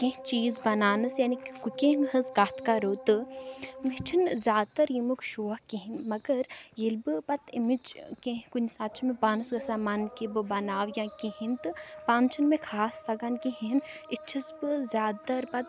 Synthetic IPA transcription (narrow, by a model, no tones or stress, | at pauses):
kʲẽɦt͡ʃiːzbɐnaːnɨsjaːnikukʲeːŋɡɦɐsɡaːt̪ʰkaɾoːt̪ɨmit͡ʃʰinzʲaːd̪̚t̪ɐɾjimukʃuːɐhkiɦinmɐɡɐɾ | jilbɨpɐt̪ʰimid͡ʒ | kẽɦkunʲsaːt͡ʃʰimebaːnɨsɡɐsamankibɨbɐnaːʋjãkiɦint̪ɨ | paːnt͡ʃʰɐnmẽkʰaːst̪ɐɡankĩɦin | it͡ʃʰisbɨzʲaːd̪̚t̪ɐɾpɐt̪